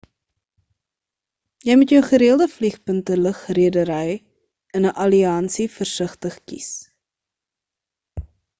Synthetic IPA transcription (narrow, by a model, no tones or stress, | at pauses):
jɛjmutjəwχəɾiəlˠdəfliχpəntələχriədəɾɛj | ənəʔɐliɐnsifərsəχtəχkḭs